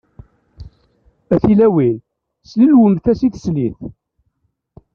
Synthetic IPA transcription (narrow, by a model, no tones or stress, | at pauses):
æθilæwil | slilwənθæsiθsliθ